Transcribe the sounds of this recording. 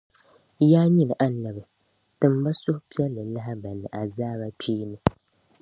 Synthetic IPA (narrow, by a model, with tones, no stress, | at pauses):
jaː˦ɲi˦lɨ˨ʔa˦n˨la˨bɨ˨ | tɨ˨m˦ba˦sʊ˦hʊ˦pi˦ɛ˦lːɨ˨˦la˦ɦa˦ba˨nɨ˨ʔa˨zaː˦ba˦tʰiː˦nɨ˦